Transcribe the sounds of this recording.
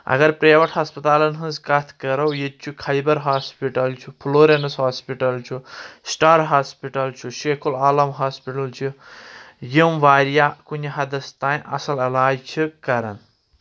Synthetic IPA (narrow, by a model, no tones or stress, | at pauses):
ɐ̰ɡɐɾpɾeːʋɐʈʰhɐːspɐt̪aːlɐnɦɐ̃nzkɐt̪ʰkɐɾɐwjed̪̚t͡ʃʰukʰɐjbɐɾɦaːspiʈɐlt͡ʃʰupʰloːɾenɐsɦaːspiʈɐlt͡ʃʰusʈaːɾɦaːspiʈɐlt͡ʃʰuʃekʰulaːlɐmɦaːspiʈɐlt͡ʃʰu | jimʋaːɾijakunʲiɦɐd̪ɐst̪aːj̃ʔɐ̰sɐlɐlaːjt͡ʃʰikɐɾɐ̰n